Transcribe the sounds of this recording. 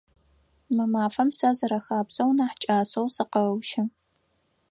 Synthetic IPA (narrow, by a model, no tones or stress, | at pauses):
mɨmaːfɐmsɐzɐɾɐxaːbz̥ɐwnaːħt͡ʃʼaːsowsɨqɐwʃɪ